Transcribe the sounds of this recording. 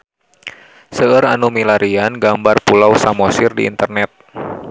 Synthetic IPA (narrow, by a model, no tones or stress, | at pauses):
səəɾa̰numilaɾianɡambarpulawsamɔsɪrdiḭnt̪ərnɛt̪̚